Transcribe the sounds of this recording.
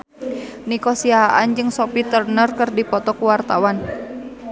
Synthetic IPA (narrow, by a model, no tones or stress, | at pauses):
nikɔsiaɦaʔand͡ʒɨŋsɔpit̪ərnərkɨrdipɔt̪ɔkuwart̪awan